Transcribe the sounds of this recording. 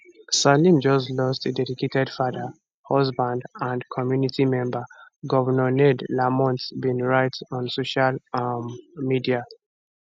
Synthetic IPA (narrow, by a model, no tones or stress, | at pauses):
salĩmd͡ʒɔslɔstədɛdiketɛdfadə | hɔsbãndãndkʰɔmjunitimɛ̃mbəɡɔvənɔnɛdlamɔ̃ntbĩnɹaɪtɔ̃nsoʃalmmidia